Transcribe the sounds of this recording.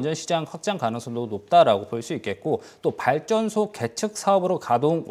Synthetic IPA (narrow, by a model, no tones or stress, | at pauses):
nd͡ʑʌnɕʰid͡ʑaŋɸwak̚t͡ɕ͈aŋkanɯŋsʰʌmdonop̚t͈aɾaɡopoɭs͈uik͈e̞t̚k͈o | t͈opaɭt͡ɕ͈ʌnsʰoke̞tʰɯk̚s͈ʰaʌbɯɾokadon